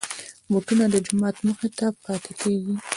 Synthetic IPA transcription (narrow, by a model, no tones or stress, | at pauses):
boʈunad̪əd͡ʒʊmɑt̪məxet̪apɑt̪ekeɡi